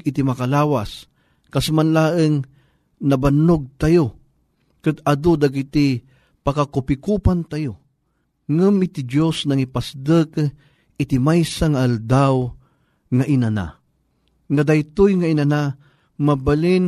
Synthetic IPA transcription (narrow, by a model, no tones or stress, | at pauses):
it̪imakalaːwas | kasmanlaːʔɨŋ | nabanʊɡ̚t̪ajo | kɨd̪ad̪od̪aɡit̪i | pakakʊpikupant̪ajo | ŋɨmit̪id͡ʒosnaŋipasd̪ɨk | ɪt̪imajsaŋaːld̪aw | ŋaʔinana̰ | ŋad̪ajt̪ʊjŋainana | mabalin